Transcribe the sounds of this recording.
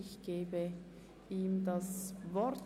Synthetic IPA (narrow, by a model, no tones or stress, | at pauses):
ɪçɡ̥eːbə | ʔiːmdasvɔɾt